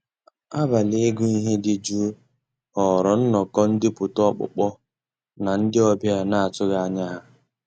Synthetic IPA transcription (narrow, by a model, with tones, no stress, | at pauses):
a˦ba˨le˦ɡʊ˦i˦ɦe˦dɪ˦d͡ʒu˦ | ɔ˨ɾɔ˨n̩˦nɔ˨kɔ˦n̩˦dɪ˦pʊ˨tɔ˦k͡pʊ̰˨k͡pɔ˦ | na˨n̩˦dɪ˦ɔ˦bja˦na˦a˨tʊ˦ɣa˨a˦˨ɲa˦ɦa˦